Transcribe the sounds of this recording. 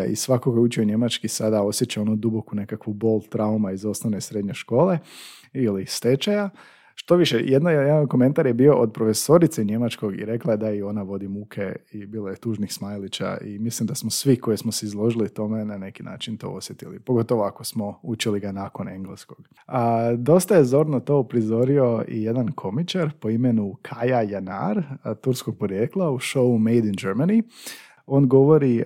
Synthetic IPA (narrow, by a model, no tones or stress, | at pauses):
ḭsʋakokojeut͡ʃioɲe̞mat͡ʃkisad̪ao̞sje̞t͡ʃao̞nud̪ubo̞kune̞kakʋubo̞lˠt̪ɾaumaizo̞snoʋnesɾe̞d̪ɲe̞ʃko̞ːle̞ | ilist̪e̞t͡ʃaja | ʃt̪o̞ʋiʃḛjed̪nojjed̪anko̞me̞nt̪aɾjebio̞ʔod̪̚pɾo̞fe̞so̞ɾit̪seɲe̞mat͡ʃko̞ɡḭɾe̞klˠaed̪aio̞naʋo̞d̪imukʰeibiːlojet̪uːʒnixsmajlit͡ʃa̰ʔḭmislimd̪asmosʋiko̞jesmoseizlˠo̞ʒilit̪o̞me̞nane̞kina̰ːt͡ʃint̪o̰osjet̪ilḭpo̞ɡo̞t̪o̞ʋoako̞smo̞ut͡ʃiliɡanako̞ne̞ŋɡlesko̞ɡ̥ | əd̪o̞st̪aje̞zo̞ɾnot̪o̞ːupɾizo̞ɾio̞ḭje̞d̪ankʰo̞mit͡ʃaɾpo̞ime̞nukʰajajana̰ɾt̪uɾsko̞ɡ̥̚po̞ɾjeːklˠauʃo̞umejd̪ind͡ʒeɾmani | o̞ːnɡo̞ʋo̞ɾi